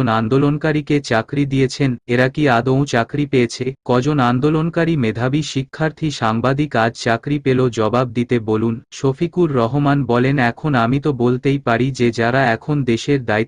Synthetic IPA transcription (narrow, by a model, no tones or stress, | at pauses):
nand̪olonkaɾiket͡ɕakɾid̪ijet͡ɕʰeneɾakiad̪õw̃t͡ɕakɾipeet͡ɕʰekɔd͡ʑonand̪olonkaɾimed̪ʱabiʃikʰːaɾt̪ʰiʃaŋbad̪ikad͡ʑt͡ɕakɾipelod͡ʑɔbab̚d̪it̪ebolunʃofikuɾːɔɦomanbɔlenɛkʰonamit̪obolt̪ejpaɾid͡ʑed͡ʑaɾaɛkʰond̪eʃeɾd̪ai